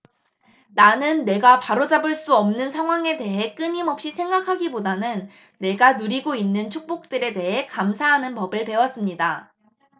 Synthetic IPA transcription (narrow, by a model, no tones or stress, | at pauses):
nanɯnːe̞ɡapaɾod͡ʑabɯɭs͈uʌmnɯnsʰaŋɦwaŋe̞de̞ɦe̞k͈ɯɲimʌp̚ɕ͈isʰe̞ŋɡakʰaɡibodanɯnː | e̞ɡanuɾiɡoinːɯnt͡ɕʰuk̚p͈ok̚t͈ɯɾe̞de̞ɦe̞kamsʰaɦanɯnpʌbɯɭpe̞wʌs͈ɯmɲida